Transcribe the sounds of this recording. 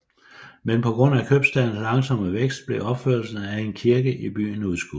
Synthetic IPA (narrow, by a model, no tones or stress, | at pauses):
menpʰɒ̽ɡ̥ʁɔ̽n̰ækʰøb̥sd̥æn̩lɑ̈ŋsɒ̽m̰əʋeɡ̥sd̥̚b̥le̝ɒ̽b̥føɐ̰lsn̩æe̝nkʰiɐɡ̥əʔib̥y̰ːn̩uðˠsɡ̥u